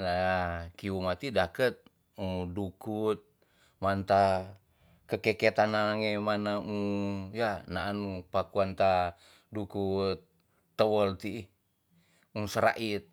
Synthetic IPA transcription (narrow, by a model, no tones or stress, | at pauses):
nakiumat̪idakət̪̚ | udukut̪̚ | mant̪a | kəkeket̪anaŋemanaujanaːnupakuant̪a | dukut̪̚ː | əwəlt̪i | usəɾa̰ʔit̪̚